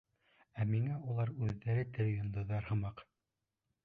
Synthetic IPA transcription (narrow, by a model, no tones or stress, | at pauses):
æmiŋæulˠɑɾʉðːæɾɘt̪ɘɾɘ̆jŏnd̪ɤ̆ðɑɾhɤ̆mɑq